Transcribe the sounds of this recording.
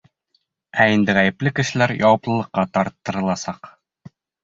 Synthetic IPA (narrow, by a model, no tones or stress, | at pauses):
æind̪ɘʁæjɘ̆plɘkɘ̆ʃɘ̆læɾjɒwɤ̆plˠɤ̆lˠɤ̆qːɑt̪ɒɾt̪ːɤ̆ɾɤ̆lˠɑsɑq